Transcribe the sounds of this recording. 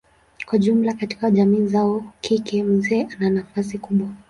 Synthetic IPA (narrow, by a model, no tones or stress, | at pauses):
kwaʄum̩lakati̥kaʄamiːzaɔkʰikɛm̩zɛːʔananafas̬ikuɓwa